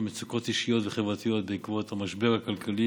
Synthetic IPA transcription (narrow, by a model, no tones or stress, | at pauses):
met͡suko̞t̪iʃijo̞tveχevʁat̪ijo̞t̪̚beikvo̞t̪hamaʃbe̞ʁhakalkʰali